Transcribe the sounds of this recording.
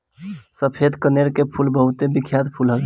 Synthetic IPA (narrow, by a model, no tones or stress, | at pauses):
səpʰed̪kəneɾkepʰulbəɦut̪ebikʰjat̪pʰulɦəl